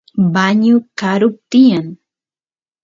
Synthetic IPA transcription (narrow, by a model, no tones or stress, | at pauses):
baɲʊkaɾʊp̚t̪ɪjaŋ